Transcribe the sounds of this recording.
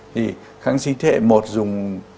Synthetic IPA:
t̪ʰi˨˩ | xaː˧˥ŋsi˧ŋt̪ʰḛ˧˥˨mo˨˩t̚zʊ˨˩ŋ͡m

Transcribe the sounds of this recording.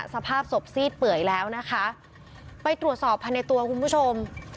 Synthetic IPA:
sa˧pʰaː˥˩p̚so˨˩p̚siː˥˩t̪̚pɯ˨˩əjlɛː˦˥wna˦˥kʰa˦˥ʔ | pa˧jt̪ɾu˨˩ət̪̚sɔː˨˩pʰːa˧jna˧jt̪u˧ɐkʰu˧npʰu˦˥t͡ɕʰo˧m

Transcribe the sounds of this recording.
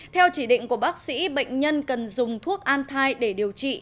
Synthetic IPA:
t̪ʰɛ˧wt͡ɕi˧˩ɗḭ̈˧˨ŋ̟ku˧˩əɓaː˦˥k̚sḭ˧˥ɓə̰˧˨jŋ̟ɲə˧nkə˨˩nzʊ˨˩ŋ͡mt̪ʰu˦˥ək̚ʔaː˧nt̪ʰaː˧jɗe˧˩ɗi˨˩əwt͡ɕḭ˧˨

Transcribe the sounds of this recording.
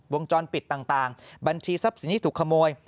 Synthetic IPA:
wo˧əŋt͡ɕɔː˧npi˨˩t̪̚ːaː˨˩ŋt̪aː˨˩ŋba˧nt͡ɕʰiː˧sa˦˥p̚si˨˩˦nt̪ʰi˥˧t̪uː˨˩kʰa˧moː˧əj

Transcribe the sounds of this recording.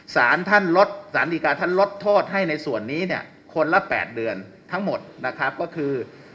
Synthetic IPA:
saː˩˦nt̪ʰa˥˩nlo˦˥t̪̚saː˩˦nd̪iː˨˩kaː˧t̪ʰa˥˩nlo˦˥t̪ʰːoː˥˩t̪̚ɦa˥˩jna˧jsu˨˩ənːiː˦˥ni˥˩ə | kʰo˧nla˦˥pɛ̰ː˨˩t̪̚dɯ˧ən | t̪ʰa˦˥ŋmo˨˩t̪̚na˦˥kʰa˦˥p̚kɔː˥˩kʰɯː˧

